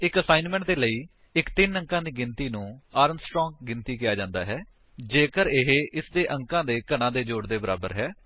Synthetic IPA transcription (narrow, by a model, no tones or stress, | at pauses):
ɪkəsaːɪnmɛ̃ɳʈ̚d̪eːləiː | ɪkt̪ɪnə̃ŋkãːd̪iːɡɪnt̪iːnũːaːɾənsʈɾɔ̃ːŋɡ̚ːɪnt̪iːkɪjaːd͡ʒãːnd̪a̰ːɦɛː | d͡ʒeːkəɾɪɦʔɪsd̪eːʔə̃ŋkãːd̪eːkənãːd̪eːd͡ʒoːɽd̪eːbəɾa̰ːbəɾɦɛː